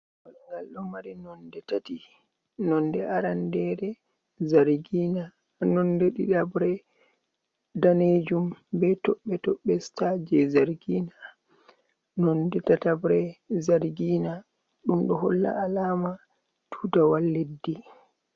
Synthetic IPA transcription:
walŋɡalɗɔmaɾinɔndɛtati | nɔndɛaɾandɛɾɛ | zaɾɡiːna | nɔndeɗḭɗabɾɛ | daned͡ʒumbɛtɔɓːɛtɔɓːɛstad͡ʒɛzaɾɡina | nɔndɛtatabɾɛzaɾɡiːna | ɗumɗɔɦɔlːa̰ːlaːma | tʰudawalːedːi

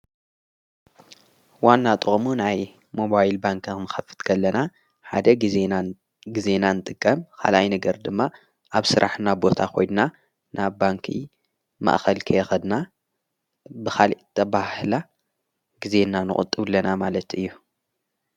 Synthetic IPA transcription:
wanːat̪ʼɨχʼmunaj | mo̞βajlbaŋkʰnɨxɐfːɨ̥t̪kʰɐlːɐna | ħa̰d̪ɐi | ɡize̞nanɨt̪ʼɨkʼːɐmkʰa̰lʔajnɐɡɐɾd̪ɨmːa | ʔaβsɨɾʔaħnabo̞t̪ʰaxo̞jnna | naβːaŋkʰḭ | ma̰ʔxɐlkʰɐjɛxɐd̪na | bɨxaliʔt̪ʰɐβahɨla | ɡ̥ize̞nanɨχʼɨ̰t̪ʼːɨβlːɐnamalɐt̪ɨjːu

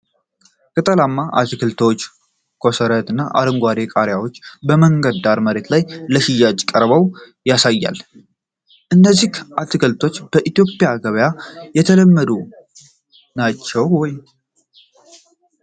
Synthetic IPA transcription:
kʼət̪ʼəlamːaʔa̰t̪ɨkʰɨlt̪ʰot͡ʃː | kʰo̞səɾət̪ɨnːaʔa̰ɾəŋɡʷaɾekʼaɾjawo̞t͡ʃːbəməŋɡəd̪aɾməɾe̞t̪lajləʃijat͡ʃʼkʼəɾβəw | jasajːa̰l | ʔɨnːəzːihʔat̪ʰɨkʰɨlt̪ʰo̞t͡ʃːb̥əʔit̪jo̞pʼɪjaɡəβəjajɛt̪ʰələmːəd̪u | nat͡ʃːɛwwɔj

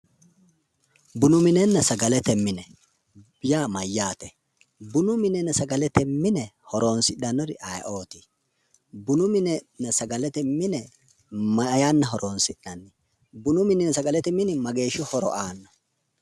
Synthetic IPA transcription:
bʊnʊmɪnɛnːɐsɐɡɐlɛt̪ɛmːɪnɛ | bɪjaːmɐjːaːt̪ɛ | bʊnʊmɪnɛnːɐsɐɡɐlɛt̪ɛmːɪnɛhɔɾoːnsɪɗɐnːɔɾɪʔɐj̰ʔo̞ːt̪ɪ | bʊnʊmɪnɛnɐsɐɡɐlɛt̪ɛmːɪnɛ | mɐjanːɐɦɔɾʔoːnsɪɗɐnːɪ | bʊnʊmɪnɛnsɐɡɐlɛt̪ɛmɪnɪmɐɡe̞ːʃʊhɔɾɔ̰ʔaːnːɔ

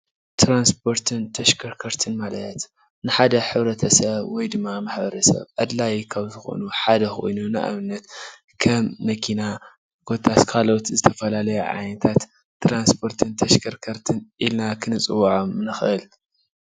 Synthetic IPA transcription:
t̪ʰɾanspʰo̞ɾt̪ʰɨnt̪ʰɐʃkʰɐɾkʰɐɾt̪ʰɨnmalɐt̪ | nɨħad̪ɐħɨβɾɐt̪ʰɐsɐβwɔjd̪ɨmːamaħbɐɾɐsɐ̰βʕad̪lajkʰaβzɨxo̰nuħad̪ɐxo̰jnuna̰ʔa̰βɨnːɐt̪ | kʰɐmːɐkʰina | ɡ̥o̞t̪ʰʼːat̪kʰalo̞t̪zɨt̪ʰɐfɐlalɐjuʕa̰jnɐt̪ʰat̪ː | ɾanspʰo̞ɾt̪ʰɨnt̪ʰɐʃkʰɐɾkʰɐɾt̪ʰɨnʔilnakʰɨnɨt͡sʼɨwːʕomnɨxʔɨl

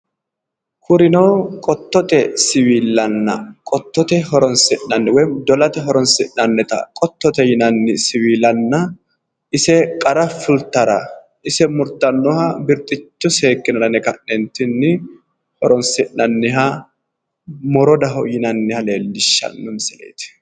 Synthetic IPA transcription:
kʊɾɪnɐwkʼɔt̪ːɔt̪ɛsɪwiːlːɐnːɐ̰kʼɔt̪ːɔt̪ɛhɔɾɔnsɪʔɐnːɪwɔjd̪ɔlɐt̪ɛɦɔɾɔnsɪʔnɐnːɛt̪ɐ̰kʼɔt̪ːɔt̪ɛjɪnɐnːɪsɪwiːlɐnːɐ | ɪsɛkʼɐɾɐfʊlt̪ːɐɾɐ̰ | ɪsɛmʊɾt̪ːɐnːɔhɐbɪɾt̪ʼɪt͡ʃːɔse̞ːkːɪnɐd̪ɐnɛkɐnːɛnt̪ɪnːɪ | hɔɾɔnsɪʔɐnːɪɦɐ | mɔɾɔd̪ɐɦɔjɪnɐnːɪhɐleːlːɪʃːɐ̰nːʊnsɛlḛːt̪ɛ̥

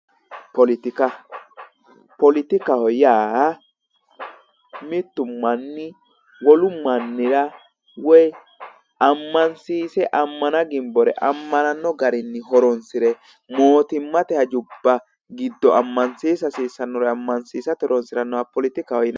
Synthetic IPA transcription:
pɔlɪt̪ɪkɐ | pɔlɪt̪ɪkɐhɔjaː | mɪt̪ːʊmːɐnːɪ | wɔlʊmɐnːɪɾɐ | wɔj | ʔɐmːɐnsiːsɛʔɐmːɐnɐɡɪmbɔɾɛ̰ʔɐmːɐnɐnːɔɡɐɾɪnːɪɦɔɾɔnsɪɾɛ | moːt̪ɪmːɐt̪ɛhɐd͡ʒʊbːɐ | ɡɪd̪ːɔɐmːɐnsiːs̬ɐsiːsɐnːɔɾɛɐmːɐnsiːsɐt̪ɛɾɔnsɪɾɐnːɔwɐpɔlɪt̪ɪkɐhɔjɪn

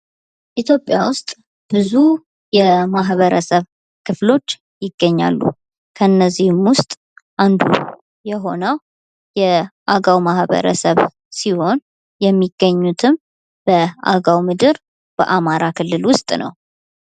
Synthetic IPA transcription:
ʔit̪ʰjo̞pʼːjawʊst̪ʼ | b̥ɨzu | jɛmaɦβəɾəsəβ | kʰɨflo̞t͡ʃː | jɪɡ̥ːəɲːa̰lːṵ | kʰənːəzːihɪmwʊst̪ʼ | ʔand̪ṵ | jɛɦo̞nəw | jɛʔaɡawmahβə̰ɾə̰səβ | siho̞n | jɛmːiɡ̥ːəɲːut̪ʰɨm | b̥əa̰ɡawmɨd̪ɨɾ | b̥ə̰ʔamaɾakʰɨlːɨlwʊst̪ʼnə̰w

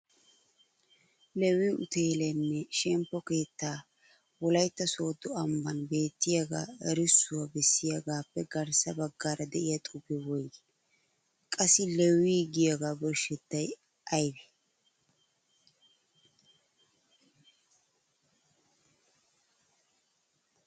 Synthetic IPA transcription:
lɛwiʔʊ̰t̪eːlɛnːɛʃɛmpːɔke̞ːt̪ːaː | wɔlɐjt̪ːɐso̞ːd̪ɔɐmːɐnbe̞ːt̪ːɪjaɡa̰ːɛɾɪsːʊwabɛsːɪjɐɡaːpːɛɡɐɾsɐbɐɡːaːɾɐd̪ɛʔɪjɐt̪ʼʊbɛwɔj | kʼɐsːɪlɛwiːɡɪjaɡaːbɔɾʃɛt̪ːɐj | ʔɐjbɛ̥

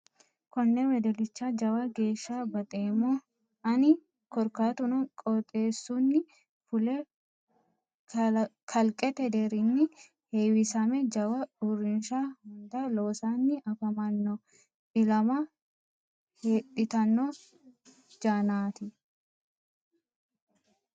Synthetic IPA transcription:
kɔnːɛwɛd̪ɛlɪt͡ʃːad͡ʒɐwɐɡe̞ːʃːaːbɐt̪ʼe̞ːmo | ʔɐnɪ | kɔɾkaːt̪ʊnɔkʼɔt̪ʼe̞ːsːunːɪ | fʊlɛ | kʰɐlkʼɛt̪ɛd̪ɛɾɪnːɪ | heːwɪsɐmɛd͡ʒɐwɐᶑurːɪnʃaːhʊnd̪ɐloːsaːnːɪʔɐfɐmɐnːo | ɪlɐmɐ | heᶑɪt̪ɐnːo | d͡ʒaːnaːt̪ɪ

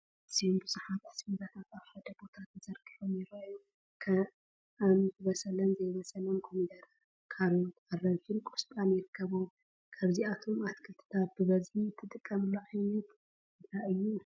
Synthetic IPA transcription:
ɨz̥ijombɨzuħat̪ħɨspiɾat̪ʰat̪aβħad̪ɐbo̞t̪ʰat̪ʰɨzɐɾɡʼiħomɪɾɐo | kʰɐ | anzɨβɐsʼɐlɐnzɐjβɐsʼɐlomkʰomid̪ɐɾa | kʰalot̪arɐβt͡ʃɪnkʼo̥stʼanɪɾɨkʰːɐβom | kʰaβziat̪ʰo̞mat̪kʰɨlt̪ʰɨ̥t̪ʰat̪̚bɨβɐzbit̪ʰːɨt̪ʼɨkʼːɐmɨlːoʕajnɐt̪ | ɨnt̪ɾaɨjːu

